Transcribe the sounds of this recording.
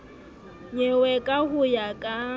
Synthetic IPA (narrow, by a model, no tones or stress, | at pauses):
ɲɛwɛkʼaɦʊjakʼa